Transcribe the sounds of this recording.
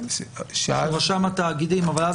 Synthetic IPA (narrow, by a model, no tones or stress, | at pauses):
ʃaavaʃamat̪aːɡid̪imavalaz